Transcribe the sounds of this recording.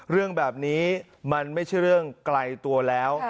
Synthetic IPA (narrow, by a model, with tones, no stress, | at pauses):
ɾɯ˥˩əŋbɛː˨˩p̚niː˦˥ | ma˧nma˥˩jt͡ɕʰa˥˩jɾɯ˥˩əŋkla˧jt̪u˧ɐlɛː˦˥w